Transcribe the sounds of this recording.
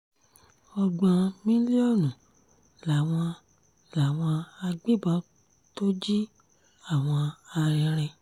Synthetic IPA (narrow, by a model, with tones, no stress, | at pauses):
ɔ˧ɡ͡bã˧mĩ˦li˦ɔ˦˨nũ˨ | la˨w̃ɔ̃˧ | la˨w̃ɔ̃˧a˧ɡ͡be˦˨ba˦ | to˦d͡ʒi˦ | a˦˨w̃ɔ̃˧a˧ɾɛ˧ɾɛ˧